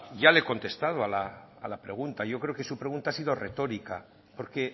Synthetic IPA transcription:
ʝaleko̞nt̪e̞st̪að̞oalaːlapɾe̞ɣunt̪aʝo̞kɾe̞o̞ke̞supɾe̞ɣ̞unt̪asiðo̞re̞t̪o̞ɾika | po̞ɾke̞

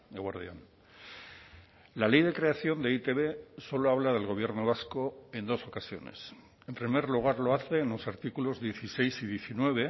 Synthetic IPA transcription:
eɣwaɾðjian | lale̞jðe̞kɾe̞aθjo̞nd̪e̞it̪e̞βeso̞loaβ̞lað̞e̞lɣ̞o̞β̞je̞ɾno̞β̞asko̞e̞nd̪o̞so̞kasjo̞̰nḛs | e̞mpɾime̞ɾluɣ̞aɾlo̞aθe̞ːnlo̞saɾt̪ikulo̞zðje̞θise̞jsiðje̞θinwe̞β̞e̞

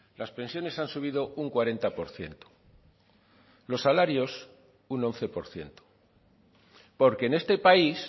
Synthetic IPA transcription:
laspe̞nsjo̞ne̞sansuβ̞iðo̞uŋkwaɾe̞nt̪apo̞ɾθje̞̰nt̪o̥ | lo̞sːalaɾjo̞s | uno̞n̟θe̞po̞ɾθje̞̰nt̪o̥ | po̞ɾke̞ːne̞st̪e̞pais

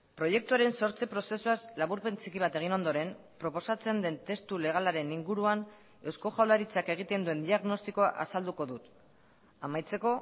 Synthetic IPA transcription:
pɾo̞je̞k̚t̪uaɾe̞nso̞ɾt͡sipɾo̞se̞suaslaβuɾpe̞nt͡sikiβ̞at̪e̞ɣ̞ino̞nd̪oɾe̞m | pɾo̞po̞sat͡se̞nd̪e̞nt̪e̞st̪ule̞ɣ̞alaɾe̞niŋɡuɾuan | e̞wsko̞ʝawlaɾit͡sake̞ɣ̞it̪e̞nd̪ue̞nd̪iaɣno̞st̪iko̞aʔa̰sald̪uko̞ðut̪ | amajt͡se̞ko̞

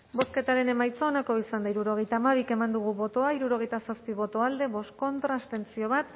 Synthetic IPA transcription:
bo̞ske̞t̪aɾe̞ne̞majt͡soːnako̞isand̪aiɾuɾo̞ɣ̞e̞jt̪aːmaβ̞ike̞mand̪uɣ̞uβo̞t̪o̞aiɾuɾo̞ɣejt̪asaspiβ̞o̞t̪o̞ald̪e̞βo̞sko̞nt̪ɾast̪e̞nt͡sio̞β̞at̪

